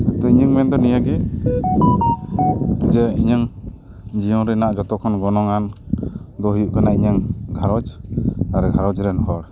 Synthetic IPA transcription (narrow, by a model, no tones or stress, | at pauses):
sɛt̪ɔiɲəŋmɛnd̪ɔnijaɡɛ | d͡ʒɛiɲəŋ | d͡ʒijɔnɾɛnaʔd͡ʒɔt̪ɔkʰɔnɡɔnɔŋan | d̪ɔɦujuʔkanaiɲaŋɡʱaɾɔd͡ʒaɾɡʱaɾɔd͡ʒɾɛnɔɦɔɾ